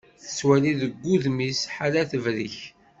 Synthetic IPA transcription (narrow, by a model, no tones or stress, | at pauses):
θə̥swæliðəɡʷːuðmisħalæθəvɾiç